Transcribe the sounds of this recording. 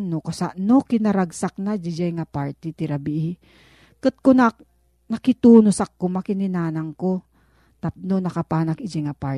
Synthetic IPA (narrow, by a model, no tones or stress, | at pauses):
nokasaʔnokɪnɐɾaɡsak̚nad͡ʒɪd͡ʒajŋapaɹt̪it̪ɪɾabiʔ | kɨt̪̚kona | nɐkɪt̪uːnosakːʊmakɪnɪnaːnɐŋko | t̪ap̚nonɐkapaːnɐkɪd͡ʒaŋapa